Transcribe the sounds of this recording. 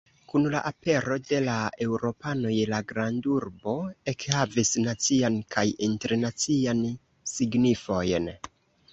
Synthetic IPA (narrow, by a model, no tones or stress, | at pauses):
kunla̰ʔape̞ɾo̞de̞lae̞wɾo̞pano̞jlaɡɾanduɾbo̞e̞khavisnat͡siankʰajinte̞ɾnat͡sian | siɡnifo̞jn